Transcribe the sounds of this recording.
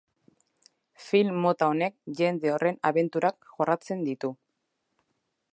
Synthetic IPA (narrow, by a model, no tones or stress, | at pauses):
filmːo̞t̪aone̞k̚ʝe̞nd̪e̞o̞re̞naβe̞nt̪uɾakʝo̞rat͡se̞nd̪it̪u